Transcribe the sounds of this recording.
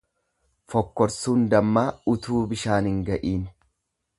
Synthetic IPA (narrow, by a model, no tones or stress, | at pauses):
fɔkːɔɾsuːnd̪ɐmːaːʊt̪uːbɪʃaːnhɪŋɡɐʔiːn